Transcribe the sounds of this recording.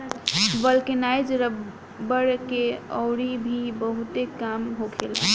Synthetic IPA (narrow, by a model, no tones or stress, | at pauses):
bəlkenajd͡ʒɾə | bəɽkeɔ̰ʊɾibʱibəɦut̪ekamɦokʰel